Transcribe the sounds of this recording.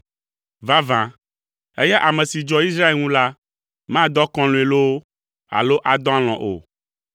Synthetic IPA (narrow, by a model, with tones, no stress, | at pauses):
va˦vã˨ | e˦jɛ˦ʔa˨mɛ̃˨si˨d͡ʒɔ˦i˦sɾa˦e˨lŋũ˦la˦ | mã˦d̪ɔ˦kɔ̃˦lõ˨e˨lo˦ | a̰˨lo˦ʔa˨d̪ɔ̃˦a˦l̃ɔ̃˨ʔo̰˨